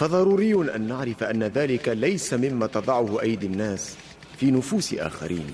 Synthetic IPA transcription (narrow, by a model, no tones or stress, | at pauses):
fɑðˤɑɾˤuːɾɪjːʊnʔanːaʕɾɪfʔanːaðaːlɪkalajsamɪmːaːt̪ɑd̪ˤɑʕʊhʊʔajd̪anːaːs | fiːnʊfuːsɪʔa̰ːxa̰ɾʔḭːn